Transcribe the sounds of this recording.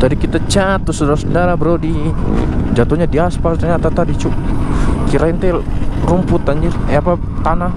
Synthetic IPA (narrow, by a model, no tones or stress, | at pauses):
t̪adikit̪at͡ʃat̪ːusədaɾasədaɾabəɾodi | d͡ʒat̪oɲadiaspast̪əɲat̪at̪adit͡ʃuk̚kiɾaint̪ɛɾumpʊt̪ːaɲd͡ʒirapa | t̪anah